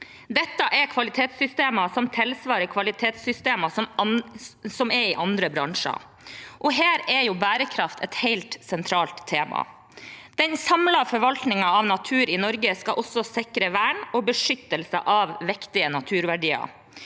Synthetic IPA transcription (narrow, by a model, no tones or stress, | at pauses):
d̪ɛt̪ːɑʔɛkʰʋɑlɪt̪ʰeːt̪sʏst̪eːmɑsɔmt̪ʰɛlsʋɑːɾəkʰʋɑlɪt̪ʰeːt̪sʏst̪eːmɑsɔm | sɔmɛɾɪʔɑnd̪ɾəbɾɑŋʂɑ̰ | ʔɔɦæːɾɛjuːbæːɾəkʰɾɑft̪ʰɛt̪heɪlt̪sɛnt̪ʰɾɑːlt̪ʰːeːmɑ̰ | d̪̥ɛnsɑmlɑfɔɾʋɑlt̪nɪŋɑɑʋnɑt̪ʰʉːɾɪnɔɾɡəskɑʔɔsɔsɛkɾəʋæːɳɔbəʂʏt̪ːəlsə̰ʔɑʋʋɛkt̪ɪənɑt̪ʰʉːɾʋæɖiːɑ̰